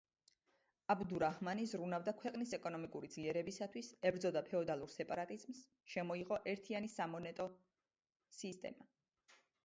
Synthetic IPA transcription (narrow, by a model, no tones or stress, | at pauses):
abd̪uɾahmanizɾunavd̪akʰwɛqʼnisɛkʼɔnɔmikʼuɾid̪z̥liɛɾɛbisat̪ʰwisɛbɾd̪zɔd̪apʰɛɔd̪alˠuɾsɛpʼaɾat̪ʼizms | ʃɛmɔiʁɔʔɛɾt̪ʰianisamɔnɛt̪ʼɔ | sist̪ʼɛ̰ma